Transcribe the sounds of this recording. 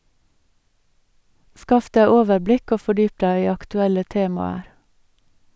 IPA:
ˈskɑf ˈdæɪ ˈoːʋəɾˌblɪk ˈoː fɔˈɖyːp ˈdæɪ ˈiː ɑktʉˈɛlə ˈteːmɑəɾ

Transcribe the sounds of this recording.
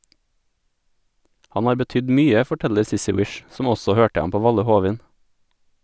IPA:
ˈhɑn ˈhɑːɾ bəˈtʏd ˈmyːə fɔˈʈɛʎəɾ ˈsɪsɪ ˈwɪʃ ˈsɔm ˈɔsɔ ˈhøːʈə ˈɑm ˈpoː ˈʋɑʎə ˈhuːʋɪn

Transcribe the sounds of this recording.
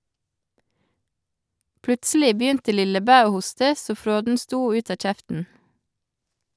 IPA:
ˈplʉtsl̩ɪ ˈbjʏntə ˈlɪləˌbæː ˈoː ˈhʊstə ˈsoː ˈfɾoːdn̩ ˈstuː ˈʉːt ˈɑː ˈc͡çɛftn̩

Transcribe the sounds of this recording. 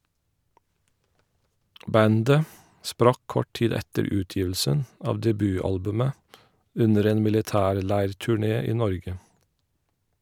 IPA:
ˈbændə ˈspɾɑk ˈkɔʈ ˈtiːd ˈɛtəɾ ˈʉːˌtjiːʋl̩sən ˈɑːʋ dɛˈbyːˌɑlbʉmə ˈʉnəɾ ˈeːn mɪlɪˈtæːɾˌlæɪɹtʉˌɳeː ˈiː ˈnɔɹɡə

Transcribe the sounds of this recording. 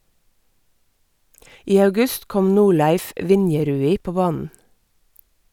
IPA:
ˈiː ɑʉˈɡʉst ˈkɔm ˈnuːˌɭæɪf ˈʋɪnjɛˌɾʉːiː ˈpoː ˈbɑːnn̩

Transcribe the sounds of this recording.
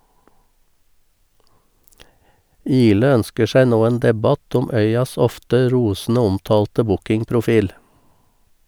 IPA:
ˈiːlə ˈœnskə ˈʃæɪ ˈnoː ˈeːn ˈdɛˌbɑt ˈʊm ˈœʏɑs ˈɔftə ˈɾuːsn̩ə ˈɔmtɑːltə ˈbʊkɪŋpɾʊˌfiːl

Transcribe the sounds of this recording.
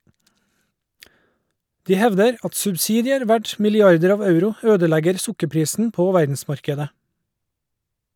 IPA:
ˈdiː ˈhɛʋdəɾ ˈɑt sʉbˈsiːdɪəɾ ˈʋæʈ mɪlɪˈɑɾdəɾ ˈɑːʋ ˈɑʉɾʊ ˈøːdəˌlæɡəɾ ˈsʊkəˌpɾiːsn̩ ˈpoː ˈʋæɾdn̩ˌsmɑɾkədə

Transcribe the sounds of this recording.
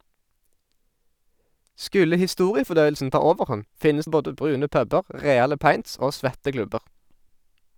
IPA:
ˈskʉlə hɪˈstuːʁɪəfɔˌdœʏəlsn̩ ˈtɑː ˈoːʋəʁˌhɔn ˈfɪnəs ˈboːdə ˈbʁʉːnə ˈpœbəʁ ˈʁeːɑlə ˈpɑɪnts ˈoː ˈsʋɛtə ˈklʉbəʁ

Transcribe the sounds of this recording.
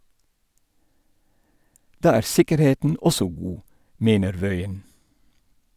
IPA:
ˈdɑː ˈæːɾ ˈsɪkəɾˌheːtn̩ ˈɔsɔ ˈɡuː ˈmeːnəɾ ˈʋœʏən

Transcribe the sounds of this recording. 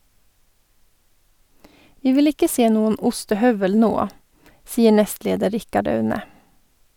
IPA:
ˈʋiː ˈʋɪl ˈɪkə ˈseː ˈnuːən ˈʊstəˌhœʋəl ˈnoː ˈsiːə ˈɳɛstˌleːdə ˈɾɪkɑɖ ˈɑʉnə

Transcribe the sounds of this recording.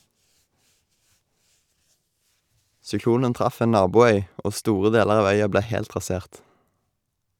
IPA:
sʏˈkluːnən ˈtʁɑf ˈeː ˈnɑːbuːˌœʏ ˈoː ˈstuːʁə ˈdeːləʁ ˈɑːʋ ˈœʏɑ ˈbleː ˈhɛlt ʁɑˈseːʁt

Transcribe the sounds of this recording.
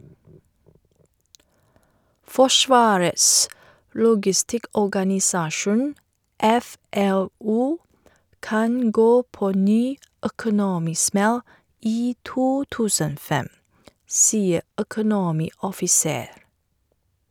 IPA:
ˈfɔˌʃʋɑːɾəs ˈlʊɡɪˌstɪkɔɡɑnɪˌsɑːʃʊn ˈɛˌfɛˌluː ˈkɑn ˈɡoː ˈpoː ˈnyː œkʊˈnoːmɪˌsmɛl ˈiː ˈtuː ˈtʉːsən ˈoː ˈfɛm ˈsiːə œkʊˈnoːmɪɔfɪˌseːɾ

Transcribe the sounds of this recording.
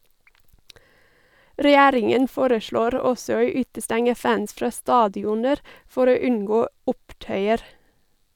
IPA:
ɾɛˈjæːɾɪŋən ˈfoːɾəˌʃɭoːɾ ˈɔsɔ ˈoː ˈʉːtəˌstɛŋə ˈfæns ˈfɾɑː ˈstɑːdɪʊnəɾ ˈfɔɾ ˈoː ˈʉnˌɡoː ˈʊpˌtœʏəɾ

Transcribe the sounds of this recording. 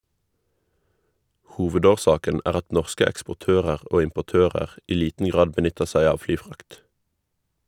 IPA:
ˈhuːʋədoːˌʃɑːkən ˈæːʁ ˈɑt ˈnɔʁskə ɛkspʊˈtøːʁəʁ ˈoː ɪmpʊˈtøːʁəʁ ˈiː ˈliːtn ˈɡʁɑːd bəˈnʏtəʁ ˈsæɪ ˈɑːʋ ˈflyːˌfʁɑkt

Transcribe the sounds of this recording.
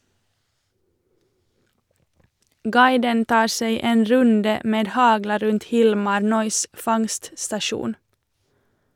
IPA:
ˈɡɑɪdən ˈtɑːɾ ˈseɪ ˈeːn ˈɾʉndə ˈmeːd ˈhɑɡlɑ ˈɾʉnt ˈhɪlmɑɾ ˈnœʏs ˈfɑŋststɑˌʃuːn

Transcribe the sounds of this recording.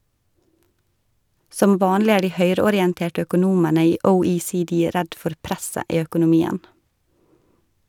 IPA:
ˈsɔm ˈʋɑːnlɪ ˈæːɾ ˈdiː ˈhœʏɾəɔɾɪɛnˌteːʈə œkʊˈnuːmənə ˈiː əʊiːsiːˈdiː ˈɾɛd ˈfɔɾ ˈpɾɛsə ˈiː œkʊnʊˈmiːən

